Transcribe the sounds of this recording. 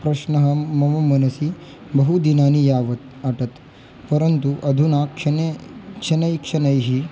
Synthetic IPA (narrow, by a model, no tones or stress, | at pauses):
pɾɐʃnɐɦɐ̆mɐʋɐmɐnɐsi | bɐɦud̪inaːnijaːʋɐt̪̚ | ɐʈɐt̪ | pɐɾɐnt̪uʔɐd̪ʱunaːkʂɐnekʂɐnɐjkʂɐnɐjɦi